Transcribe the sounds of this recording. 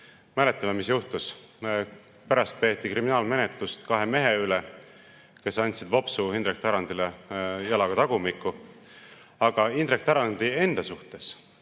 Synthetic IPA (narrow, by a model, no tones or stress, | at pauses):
mæle̞t̪ːˑɑmemisjuht̪us | pæɾɑst̪̚pe̞ːt̪ːˑikɾiminɑːlme̞net̪ˑlust̪kɑɦe̞me̞ɦeyle | ke̞sɑnʲt̪sid̪̥vo̞psuind̪ɾek̚t̪ɑɾɑnd̪ilejɑlɑɡ̥ɑt̪ɑɡ̥umikːˑu | ɑɡ̥ɑind̪̥ɾek̚t̪ɑɾɑnd̪̥ie̞nd̪̥ɑsuht̪e̞s